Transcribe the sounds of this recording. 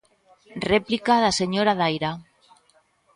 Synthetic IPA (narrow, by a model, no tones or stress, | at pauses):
replikaðaseɲoɾaðajɾa